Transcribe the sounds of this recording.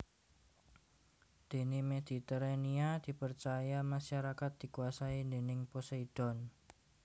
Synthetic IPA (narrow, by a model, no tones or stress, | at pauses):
d̪̥e̤nimed̪̥i̤t̪eɾaniad̪̥i̤pərt͡ʃajamaʃaɾakat̪̚d̪̥i̤kuasaind̪e̤nɪŋposeid̪̥ɔ̤n